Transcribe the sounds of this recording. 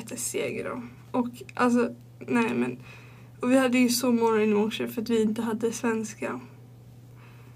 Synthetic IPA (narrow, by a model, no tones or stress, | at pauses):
t̪ʰːəsḛːɡə̰ɾɔ̰ | ʔɔkʔa̰ls̬ɔ | nɛɪmɛn | ɔvɪhad̪ːəjɵsɔmɔŋːaɪnanʂəɾfœɾat̪vɪɪnt̪əɦad̪ːəsvɛnska